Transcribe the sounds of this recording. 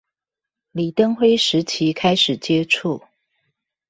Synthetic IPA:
li˨˩t̪ə˥ŋxwe˥ɪʂɻ̩˨˧˥t͡ɕʰi˨˦kʰa˥ɪʂɻ̩˨˩t͡ɕjɛ˥ʈ͡ʂʰu˥˩

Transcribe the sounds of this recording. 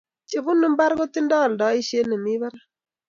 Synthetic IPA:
t͡ʃe˨bu˦nu˨˦m˦ba˦ɾɡo˦ti˦n˦dɔ˦˨ldɔ˨˦i˦ʃe˦ne˨mi˦ba˦ɾ

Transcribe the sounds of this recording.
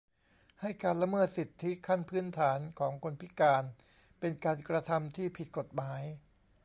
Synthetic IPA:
ha˥˩jkaː˧nla˧mɤː˥˩t̪̚si˨˩t̪ʰːi˦˥kʰa˥˩npʰɯː˦˥nt̪ʰaː˩˦nkʰɔː˩˦ŋkʰo˧npʰi˦˥kaː˧n | pe˧nkaː˧nkɾa˧t̪ʰa˧mt̪ʰiː˥˩pʰi˨˩t̪̚ko˨˩t̪̚maː˩˦j

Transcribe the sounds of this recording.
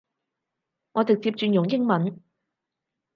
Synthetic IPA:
ŋɔː˨˧t̪ɪ˨k̚t͡siː˧p̚t͡ʃyː˧njʊ˨˩ŋjɪ˥ŋmɐ˨˥n

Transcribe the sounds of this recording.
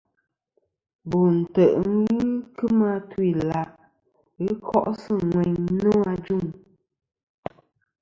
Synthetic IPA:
bo˨n̩˨tə˨ʔŋ˦ɣi˦kɨ˦ma˦twi˨la˨ʔ | ɨ˦kʰɔ˦ʔsɨ˦ŋwɛ˨ɲno˦a˦d͡ʒu˦˨ŋ

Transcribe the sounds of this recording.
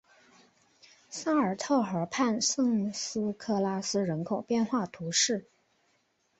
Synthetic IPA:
sa˥ə˞˨˩t̪ʰɑ˥˩ʊxə˞˧˥pʰa˥˧nsɤ˥˩ŋsɹ̩˥kʰɤ˥˩la˥sɹ̩˥ɻə˧˥nkʰo˨˩ʊpjɛ˥˧nxwa˥˩t̪ʰu˧˥ʂɻ̩˥˩

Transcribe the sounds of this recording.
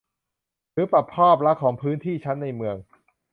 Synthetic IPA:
ɾɯː˨˦pɾa˨˩pʰːɔː˥˩p̚la˦˥kʰɔː˩˦ŋpʰɯː˦˥nt̪ʰiː˥˩t͡ɕʰa˦˥nːa˧jmɯ˧əŋ

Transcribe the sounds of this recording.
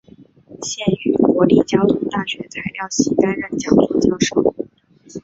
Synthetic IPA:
ɕjɛ˥˩ny˨˩kwɔ˧˥li˥˩t͡ɕjɑ˥ʊt̪ʰʊ˥ŋt̪a˥˩ɕɥɛ˧˥t͡sʰa˧˥ɪljɑ˥˩ʊɕi˥k̪a˥nɻə˥˩nt͡ɕjɑ˥ʊt̪ʰʊ˥ŋt͡ɕjɑ˥ʊʂo˥˩ʊ

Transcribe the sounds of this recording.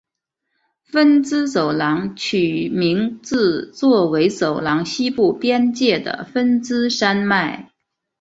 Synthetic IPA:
fə˥nt͡sɹ̩˥so˨˩ʊlɑ˧˥ŋt͡ɕʰy˨˩mi˧˥ŋt͡sɹ̩˥˧t͡swɔ˥˩we˧˥ɪso˨˩ʊlɑ˧˥ŋɕi˥pu˥˩pjɛ˥nt͡ɕjɛ˥˩d̪ə̰˩fə˥nt͡sɹ̩˥ʂa˥nma˥˩ɪ

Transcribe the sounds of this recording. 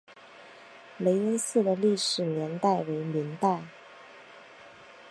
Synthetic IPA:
le˧˥ɪwe˥ɪsɹ̩˥˩d̪ə˩li˥˩ʂɻ̩˨˩njɛ˧˥nt̪a˥˩ɪwe˧˥ɪmi˧˥ŋt̪a˥˩ɪ

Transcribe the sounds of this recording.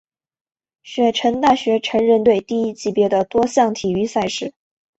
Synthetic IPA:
ɕɥɛ˧˥ʈ͡ʂʰə˧˥nt̪a˥˩ɕɥɛ˧˥ʈ͡ʂʰɤ˧˥ŋɻə˥˧nt̪we˥˩ɪt̪i˥˩i˥t͡ɕi˧˩pjɛ˧˥d̪ə˨t̪wɔ˥ɕjɑ˥˩ŋt̪ʰi˨˩y˥sa˥˧ɪʂɻ̩˥˩

